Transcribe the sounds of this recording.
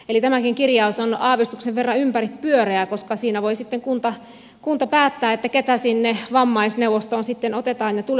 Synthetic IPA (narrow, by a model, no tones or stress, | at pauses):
elit̪æmækiŋkirjɑusonɑːʋist̪ukseʋʋerːɑympærippyøreækoskɑsiːnæʋoisit̪ːeŋkunt̪ɑ | kunt̪ɑpæːt̪ːæːet̪ːæket̪æsinːeʋɑmːɑisneuwʋost̪oːnsit̪ːenot̪et̪ɑːnjɑt̪ul